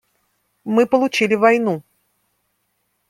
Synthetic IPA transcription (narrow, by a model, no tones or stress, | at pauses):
mɨpəlˠʊt͡ɕilʲɪvɐjnu